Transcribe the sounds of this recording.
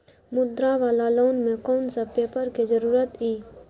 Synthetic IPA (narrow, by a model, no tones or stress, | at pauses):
mʊd̪ɾaʋaːlaloːnmẽkɔːnsəbpeːpəɾkezəɾuːɾət̪iː